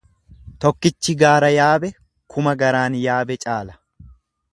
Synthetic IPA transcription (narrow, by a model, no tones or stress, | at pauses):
t̪ɔkːɪt͡ʃːɪɡaːɾɐjaːbɛ | kʰʊmɐɡɐɾaːnjaːbɛt͡ʃʼaːlɐ̥